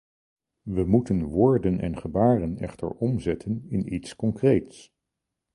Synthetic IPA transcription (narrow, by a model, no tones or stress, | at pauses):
ʋəmutənʋʊːɹdənɛ̰nχəbaːrənɛ̰χtə̰ɹɔmzɛtʰənɪnitskɔŋkrejts